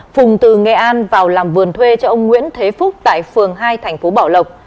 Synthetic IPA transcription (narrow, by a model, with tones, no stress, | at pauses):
fʊ˨˩ŋ͡mt̪ɨ˨˩ŋɛ˨˩ʔaː˧nvaː˨˩wlaː˨˩mvɨ˨˩ənt̪ʰwe˧t͡ɕɔ˧ʔə˧wŋ͡mŋwḭ˧˥ənt̪ʰe˨˦fʊ˦˥k͡p̚t̪a̰ː˧˨jfɨ˨˩əŋɦaː˧jt̪ʰɛ˨˩ŋ̟fo˨˦ɓaː˧˩wlə˨˩wk͡p̚